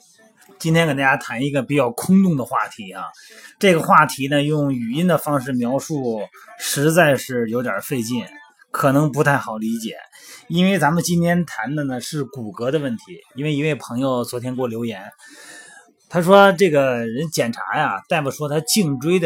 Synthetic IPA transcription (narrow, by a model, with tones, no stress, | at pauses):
t͡ɕi˥nt̪ʰjɛ˥nkt̪a˥˧˩ja˥t̪ʰa˧˥ni˧˥ɡə˧pi˨˩t͡ɕjɑ˥˩ʊkʰʊ˥ŋt̪ʊ˥˩ŋd̪ə˩xwa˥˩t̪ʰi˧˥ɐ˧ | ʈ͡ʂɤ˥˩ɡə˩xwa˥˩t̪ʰi˧˥nə˧jʊ˥˩ŋy˨˩i˥nd̪ə˨fɑ˥ŋʂɻ̩˥˩mjɑ˧˥ʊʂu˥˩ʂɻ̩˧˥t͡sa˥˧ɪʂɻ̩˥˩jo˧˥ʊt̪jɑ̰˞˨˩fe˥˧ɪt͡ɕi˥˩n | kʰɤ˨˩nɤ˧˥ŋpu˧˥t̪ʰa˥˩ɪxɑ˨˩ʊli˧˥t͡ɕjɛ̰˨˩˦i˥nwe˥˩ɪt͡sa˧˥mə˨˧t͡ɕi˥nt̪ʰjɛ˥nt̪ʰa˧˥nd̪ə˧nə˨ʂɻ̩˥˩ku˨˩kɤ˧˥d̪ə˧wə˥˩nt̪ʰi˧˥i˥nwe˥˩i˧˥we˥˩ɪpʰɤ˧˥ŋjo˧ʊt͡swɔ˧˥t̪ʰjɛ˥nkwɔ˥˩ljo˧˥ʊjɛ˧˥n | t̪ʰa˥ʂ̬wɔ˥ʈ͡ʂɤ˥˩ɡə˩ɻə˧˥nt͡ɕjɛ˨˩nʈ͡ʂʰa̰˧˥ja˧t̪a˥˩ɪpu˨˩ʂwɔ˥t̪ʰa˥t͡ɕi˥˩ŋʈ͡ʂwe˥ɪd̪ə˨